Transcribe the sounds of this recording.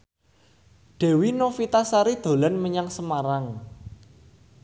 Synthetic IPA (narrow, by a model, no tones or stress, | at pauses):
ɖ̪̥ɛ̤winofit̪asaɾid̪̥o̤lanməɲaŋsəmaɾaŋ